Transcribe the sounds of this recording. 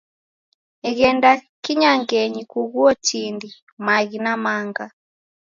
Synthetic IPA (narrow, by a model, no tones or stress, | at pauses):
ɛɣɛnda | kiɲaŋɡɛɲikuɣwɔt͡ʃindi | maɣinamaŋɡa